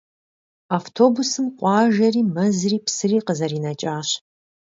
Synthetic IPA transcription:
aftʰoːbusɨmqʷʼɑːʒɐriːmɐzriːpsɨriːqəzɐɾiːnɐt͡ʃʼaːɕ

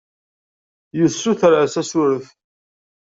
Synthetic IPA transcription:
jəsːuθəɾʕəsæsʊɾəθ

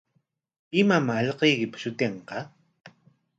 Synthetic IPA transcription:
ɪmamaːʎqejkɪpḁʃʊt̪eɴqɑ

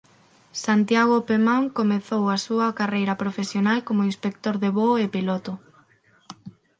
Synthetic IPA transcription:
sant̪jaɣ̞opemaŋkomeθowasuɐkarejɾɐpɾofesjonalkomoinspek̚t̪oɾðeβoepilɔt̪ʊ

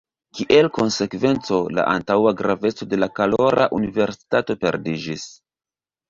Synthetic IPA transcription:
kiʔelko̞nse̞kve̞nt͡so̞la̰ʔa̰ntawaɡɾave̞t͡so̞de̞lakalo̞ɾʔa̰ʔunive̞ɾsi̥tato̞pe̞̰ɾdid͡ʒis

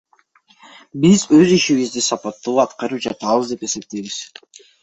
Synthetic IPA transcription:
bizø̞ziʃiβizd̪isɑpɑt̪ːuːɑt̪qɑɾɯpd͡ʒɑt̪ɑβəzd̪e̞pe̞se̞p̚t̪ejβiz̥

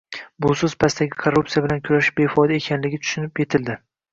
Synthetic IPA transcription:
bʊsɵzpʰast̪aɡʲɪkʰoɾːup̚t̪ijabɪlankʲʰʊɾaʃɪ̥ʃbefɒjd̪aekʲʰanlɪɡʲɪt̪ʰʊ̥ʃʊnɪpje̞t̪ʰɪld̪ɪ

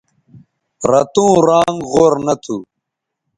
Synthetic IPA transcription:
ɾɐt̪ũːɾaːŋɡʁoːɾnɐt̪ʰu

